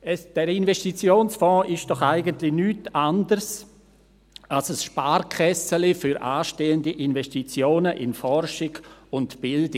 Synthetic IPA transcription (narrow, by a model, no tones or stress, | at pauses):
ɛsd̥ɛɾɪnvɛʃtit͡sjoːnsfɔ̃ːʔɪʃd̥ɔχaɪɡəntlɪnyːtandəɾs | alsəsʃpaːɾkʰɛsəlɪfyɾʔaːʃteːəndiʔinvɛstit͡sjoːnəʔɪnfɔɾʃɪɡʊntb̥ɪldɪ